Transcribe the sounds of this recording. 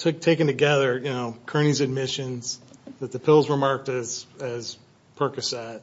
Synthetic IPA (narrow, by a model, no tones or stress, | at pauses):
tʰʊtʰeɪkɨ̃n̩tɨɡɛðə˞jɨnoʊkʰɜ̃˞ñizɨd̚mɪʃɨ̃nzðɨt̪̚ðɨpʰɪlˠzɹəmɑɹk̚tɨz̥ɨz̥ | pʰɜ˞kɨsæt̚